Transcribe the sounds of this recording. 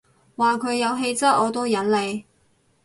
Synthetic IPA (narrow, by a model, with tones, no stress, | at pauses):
waː˨kʰɵ˨˧ɥjɐ˨˧wɦe˧jt͡sɐ˥t̚ɔː˨˧t̪o˥wjɐ˨˥nle˨˧j